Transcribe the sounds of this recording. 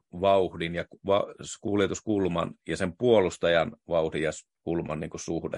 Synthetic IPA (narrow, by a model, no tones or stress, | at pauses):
ʋɑuhdinjɑkʋɑskuljet̪uskulmɑ̰njɑsempuolust̪ɑjɑnʋɑuhdijɑs | kulmɑ̰nniːŋkusuhdḛ